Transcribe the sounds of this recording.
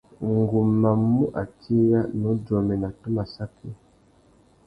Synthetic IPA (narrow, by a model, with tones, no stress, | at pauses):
ŋɡu˨ma˨mu˦ʔa̰˨ti˦ja˦nɔ˨˦d͡ʒɔ˨mɛ˨na˨tu˦ma˨sa˦kʰi˦